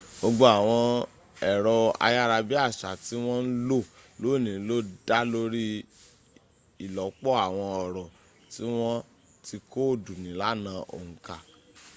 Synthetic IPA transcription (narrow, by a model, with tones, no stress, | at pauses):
o˧ɡ͡bo˦a˨w̃ɔ̃˧ | ɛ˨ɾɔ˧a̰˧ja˦ɾa˧bi˦a˦˨ʃa˨ti˦w̃ɔ̃˦n̩˦lo˦˨ | lo˨˦˨nĩ˨˦lo˦da˦lo˦ɾi˦ | i˨lɔ˨˦k͡pɔ˦a˨w̃ɔ̃˧ɔ˨ɾɔ˨ | ti˦w̃ɔ̃˦ | ti˧ko˦˨du˨nĩ˨˦la˦nãː˧ʔo̰˨ŋ̩˨ka˨